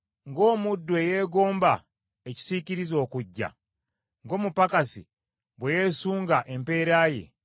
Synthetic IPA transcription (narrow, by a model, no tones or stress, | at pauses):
ŋɡo̞ːmudːweje̞ːɡo̞ːmba | eci̥siciɾizo̞ːkuɟːa̰ | ŋɡo̞ːmupakasḭ | βweje̞ːsuːŋɡaʔe̞mpe̞ːɾaːje̞̰